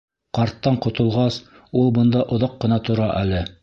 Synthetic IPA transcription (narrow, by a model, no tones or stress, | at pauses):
qɑɾt̪ːɑɴqŏt̪ŏlˠʁɑs | ulˠbɤ̆nd̪ɑʔŏðɑqːɤ̆nɑt̪ŏɾɑʔælɘ